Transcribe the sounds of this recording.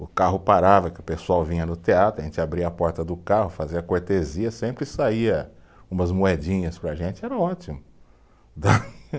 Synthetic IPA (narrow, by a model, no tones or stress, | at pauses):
ʊkaɦʊpaɾavɐkɪʊpesuawvĩɲɐnʊt̪eat̪ɾʊɐʒẽnt͡ʃɪabɾiɐapɔɾt̪ɐd̪ʊkahʊfaziɐkoɾt̪eziɐsẽmpɾɪsaiɐ | ũmɐzmuɛd͡ʒĩɲɐspɾɐʒẽnt͡ʃɪɛɾɐɔt͡ʃimʊ | d̪ɐ